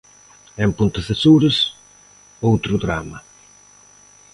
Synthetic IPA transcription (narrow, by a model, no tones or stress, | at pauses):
ɛmpunt̪ɐsesuɾɪs | owt̪ɾud̪ɾamɐ